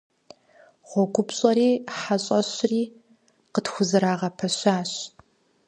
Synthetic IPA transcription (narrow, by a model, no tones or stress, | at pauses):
ʁʷɔɡʷʊpɕʼɐɾiːħaɕʼɐɕriː | qətxʷʊzɨɾaːʁɐpʰɐɕaːɕ